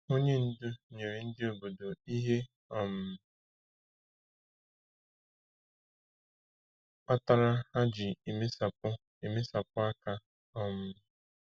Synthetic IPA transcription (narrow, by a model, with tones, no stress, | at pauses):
o˦ɲe˦n̩˦dʊ˦ɲe˨ɾe˨n̩˦dɪ˦o˨bo˨do˨i˦ɦe˦ | ɔ˦˨m̩˨ | a˦ta˨ɾa˦ha˦d͡ʒɪ˨e˨me˦sa˨pʊ˦ | e˨me˦sa˨pʊ˦a˦ka˨ | ɔ˦m̩˦˨